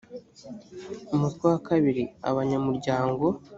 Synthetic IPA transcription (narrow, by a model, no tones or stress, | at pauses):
umutkwiwakaβiɾia̰βaɲamuɾɟaːŋɡo̞